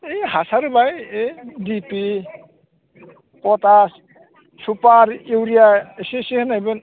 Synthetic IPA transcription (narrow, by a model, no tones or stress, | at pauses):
ejɦasaɾɯbajedipi | pɔtas | supaɾiwɾijaesesihɯnajbɯn